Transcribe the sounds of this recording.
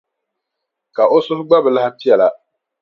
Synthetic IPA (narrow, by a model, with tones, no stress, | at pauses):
ka˨ʔo˦sʊ˦hʊ˦ɡ͡ba˦bɨ˨la˦hti˦ɛ˨la˨